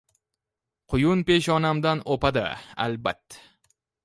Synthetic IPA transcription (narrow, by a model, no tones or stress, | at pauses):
qʰʊjʊnpe̞ʃɒnamd̪anopad̪a̰a̰lbat̪ʰːḁ